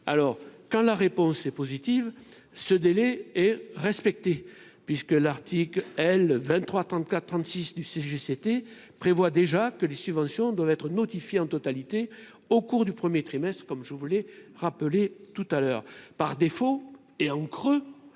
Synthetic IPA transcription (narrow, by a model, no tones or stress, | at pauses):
a̰lɔʁkɑ̃laʁepɔ̃sɛpozit̪iv | səd̪elɛɛʁɛspɛk̚t̪e | pɥiskəlaʁt̪ʰiklɛlvɛ̃nt̪ːχwat̪χɑ̃t̪kat̪t̪ːχɑ̃nt̪sisd̪yseʒeset̪e | pχevwad̪eʒakəlesybvɑ̃sjɔ̃d̪wavɛt̪χənɔt̪ifjeɑ̃t̪ɔt̪alit̪e | okuʁd̪ypχəmjet̪χimɛst̪χəkɔmʒəvulɛʁapəlet̪ut̪alœːʁpaʁd̪efo | eɑ̃kχø